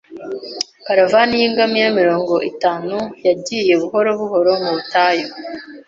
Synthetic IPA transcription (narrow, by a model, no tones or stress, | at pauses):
kaɾavanijiːŋɡamijamiɾo̞ːŋɡo̞ʔitaːnujaɟiːje̞βuɦo̞ɾo̞βuho̞ɾo̞muβutajo